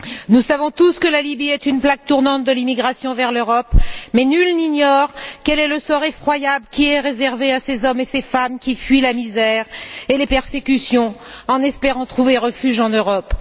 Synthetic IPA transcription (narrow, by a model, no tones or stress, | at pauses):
nusavɔ̃t̪uskəlalibiɛt̪ynplaɡ̚t̪uʁnɑ̃t̪̚d̪əlimiɡʁasjɔ̃vɛʁløʁɔpmɛnylniɲɔʁkɛlɛləsɔʁefχwajabləkʲiɛʁezɛʁveasezɔmesefamkʲifɥilamizɛʁelepɛʁsekʲysjɔ̃ɑ̃nɛspeʁɑ̃t̪χuveʁəfyʒɑ̃nøʁɔp